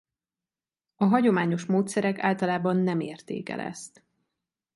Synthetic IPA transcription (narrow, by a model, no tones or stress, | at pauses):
ɒɦɒɟo̞maːɲo̞ʃmoːt̪sɛɾɛka̰ːlt̪ɒlaːbɒnːɛmeːrt̪ḛːkɛ̰lɛ̰st̪